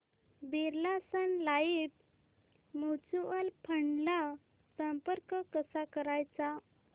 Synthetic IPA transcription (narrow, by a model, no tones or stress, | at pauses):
biɾlasənlaip | mut͡suəlpʰəɳɖla | səmpəɾkəkəsakəɾajt͡sa